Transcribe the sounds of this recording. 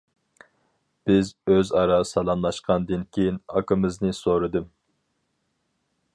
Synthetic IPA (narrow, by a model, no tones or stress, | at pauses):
b̥ɪzøzɑɾɑsɑlˠɑmlˠɑʃqʰɑnd̪ɨnkʲʰejinɑ̰kʰɨmɨznɨsoɾɨd̪ɨm